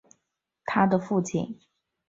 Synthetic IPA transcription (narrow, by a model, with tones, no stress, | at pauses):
t̪ʰa˥d̪ə˨fu˥˩t͡ɕʰḭ˥˩n